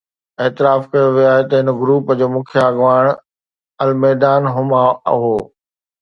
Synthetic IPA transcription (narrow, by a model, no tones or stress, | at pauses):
eːt̪ɪɾaːfkɐjoʋijoaːɦet̪ɐɦɪnɡɾuːpəd͡ʑoːmʊ̃kʰjaɡʋaːɪɽ̃ | ɐlmɛːd̪aːnɦʊmaɦoː